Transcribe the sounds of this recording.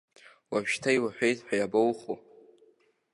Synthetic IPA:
waʃᶣtʰajwaħʷᶣejtħʷᶣajabowχo

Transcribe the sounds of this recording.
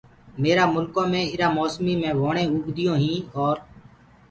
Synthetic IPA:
meːɾaːmʊlkõːmẽːɪɾãːmoːsmiːmẽːʋoːɳẽːʊːɡd̪ɪjõːɦĩːɔːɾ

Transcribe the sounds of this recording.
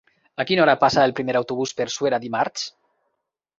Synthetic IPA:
akinɔɾapasaelˠpɾimeɾawt̪uβuspeɾsweɾaðimaɾt͡ʃ

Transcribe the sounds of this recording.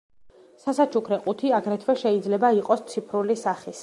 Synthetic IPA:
sasat͡ʃʰukʰɾɛqʼut̪ʰiaɡɾɛt̪ʰwɛʃɛid̪zlɛbaiqʼɔst̪sʰipʰɾulisaχis

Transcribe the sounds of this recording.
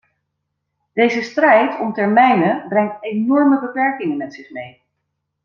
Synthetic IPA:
d̥ejzəstrɛjtɔmtɛɹmɛjnəbrɛŋtenɔɹməbəpɛɹkɪŋənmɛtsɪχmej

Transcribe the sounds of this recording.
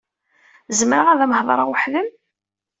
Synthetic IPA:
zməɾəʁæðæməhðˤɾˤɑʁwʊħðəm

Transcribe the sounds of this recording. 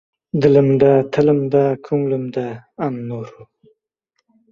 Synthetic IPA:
d̪ələmd̪at̪ʰələmd̪akʰuŋləmd̪aːnnoɾu

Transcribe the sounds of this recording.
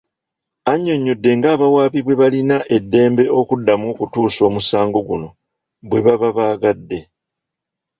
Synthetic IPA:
aɲːo̞ɲːudːe̞ŋɡaːβawaːβiβwe̞βalinaʔe̞dːe̞ːmbe̞ʔo̞kudːamokutuːso̞ːmusaːŋɡo̞ɡuno̞ | βwe̞βaβaβaːɡadːe̞

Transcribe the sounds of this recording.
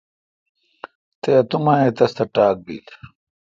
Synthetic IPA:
t̪eɐt̪umaet̪ɐst̪ɐʈaːk̚bḭːl

